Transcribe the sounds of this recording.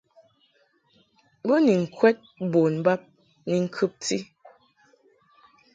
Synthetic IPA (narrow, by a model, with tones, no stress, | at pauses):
bə˦ni˨ŋ̩˨kʰwɛ˦t̚bo˨n˨ba˦p̚ | ni˨ŋ̩˦kʰʉ˦p̚ti˦